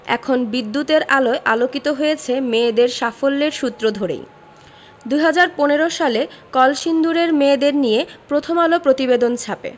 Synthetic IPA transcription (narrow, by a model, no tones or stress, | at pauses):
ɛ̰kʰonbid̪ːut̪eɾaloeʔalokit̪oɦojet͡ɕʰemed̪eɾʃafolːeɾʃut̪ːɾod̪ʱoɾḛj | d̪uɦad͡ʑaɾponeɾoʃalekɔlʃind̪uɾeɾmed̪eɾnijepɾot̪ʰomalopɾot̪ibed̪ont͡ɕʰapḛ